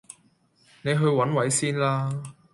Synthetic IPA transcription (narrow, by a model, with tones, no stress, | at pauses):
ne˨˧jɦɵ˧ɥwɐ˨˥nwɐ˨˥jsiː˥nlaː˥